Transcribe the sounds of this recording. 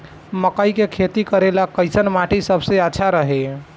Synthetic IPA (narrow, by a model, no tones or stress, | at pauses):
məkəjkekʰet̪ikəɾelakəɪsənmaʈisəbʱseətːʃʰaɾəɦe